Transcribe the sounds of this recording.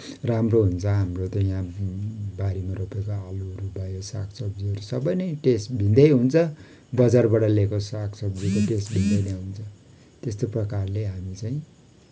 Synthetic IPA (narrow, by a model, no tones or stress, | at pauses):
ramroɦunt͡sʰʌɦamrot̪ʌjã | baɾimaɾopekoaluɦʌɾubʱajosakʰsʌbd͡ziɦʌɾusʌbʌjnʌʈesʈbʱĩnd̪ʌjɦunt͡sʰʌ | bʌd͡zarbaʈʌlekosakʰsʌbd͡zikoʈesʈbʱind̪ʌjnaɦunt͡sʰʌ | t̪est̪oprʌkarleɦamit͡saĩ